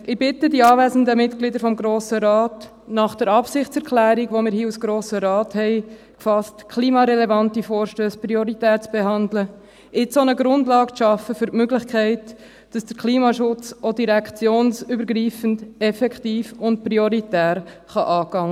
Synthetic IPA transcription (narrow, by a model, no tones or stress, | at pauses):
ʔɪb̥ɪtədiɑːvæːzən̩dəmɪtɡ̥lidəɾfɔmɡɾoːsəɾɑːt | nɑχd̥ɛɾɑpsɪχtt͡sɛɾkʰlæːɾiɡʋomɪːɾhiːusɡ̥ɾoːsəɾɑːthɛɪ | kfɑstkʰliːmɑɾɛlɛvɑntifoːɾʃtøːspɾioɾitæːɾt͡sb̥eɦɑndlə | ɪt͡sonəɡɾʊndlɑːɡt͡sʃɑfəfʏɾtmøɡlɪχkʰɛɪt | d̥ɑsd̥əkʰliːmɑʃʊt͡sodiɾɛkχt͡sjoːnsybəɾɡɾiːfəndɛfɛkχtiːfʊnt̚pɾioɾitæːɾχɑʔɑːɡɑŋə